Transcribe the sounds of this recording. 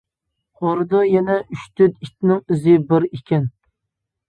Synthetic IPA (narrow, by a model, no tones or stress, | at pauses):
χoɾd̪ɑjɛnɛʔyʃt̪ʰyd̪it̪nɪŋizɪbɪɾikʲʰɛn